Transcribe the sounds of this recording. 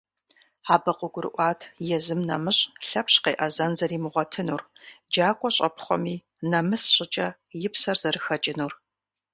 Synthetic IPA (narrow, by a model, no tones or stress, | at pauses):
ħaːbɐqʷʊɡʷʊɾɨ̰ʔʷɑːtʰjɛzɨmnɐmɨɕʼɬɐpʰɕqeːʔɐzɐnzɐriːmɨʁʷɔtʰɨnuːrd͡ʒaːkʷʼɔɕʼɐpʰχʷɔ̰miː | nɐmɨsɕʼɪt͡ʃʼɐ | jɪpsɐrz̥ɐrɨxɐt͡ʃʼɪnuːr